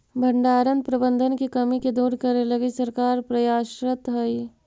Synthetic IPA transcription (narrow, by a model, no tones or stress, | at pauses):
bʱɐɳɖaːɾənpɾɐbənd̪ʱənkikɐmiked̪uːɾkɐɾelɐɡisɐɾkaːɾpɾɐjaːʃɾət̪ɦɐi